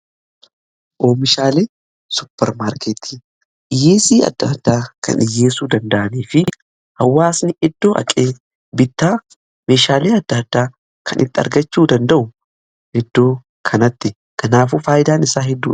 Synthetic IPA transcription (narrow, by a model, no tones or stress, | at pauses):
ʔoːmɪʃaːleː | sʊpːɛɾmaːɾkʰeːt̪ʰiː | ʔɪjːeːsiːɐ̰d̪ːɐd̪ːaːkɐ̰nɪjːe̞ːsuːd̪ɐnd̪ɐʔɐniːfɪ | hɐwːaːsnɪɛd̪ːo̞ːʔɐ̰kʼeː | bɪt̪ːaː | me̞ːʃaːleːɐd̪ːɐd̪ːaː | kʰɐnʔɪ̰t̪ːɪɐ̰ɾɡɐt͡ʃːuːd̪ɐnd̪ɐʔʊ | hɛd̪ːo̞ː | kʰɐnɐt̪ːɪ | kʰɐnaːfuːfaːjɪd̪aːnɪsaːɦɛd̪ːṵː